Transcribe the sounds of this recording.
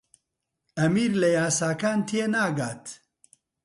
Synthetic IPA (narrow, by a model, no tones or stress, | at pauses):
ɐmiːɾlɐjaːsaːkaːnt̪ʰienaːɡaːt̪